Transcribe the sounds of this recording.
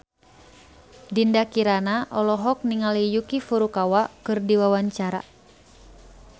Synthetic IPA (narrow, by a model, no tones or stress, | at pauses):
dindakiɾanaʔɔlɔɦɔk̚niŋalijukifuɾukawakɨrdiwawaɲt͡ʃaɾa̰